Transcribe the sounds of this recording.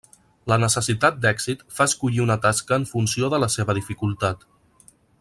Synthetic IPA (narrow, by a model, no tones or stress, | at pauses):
lənəsəsit̪at̪̚d̪ɛɡsit̪faəskuʎiunət̪askəːɱfuns̬ioðələseβəðifikulˠt̪at̪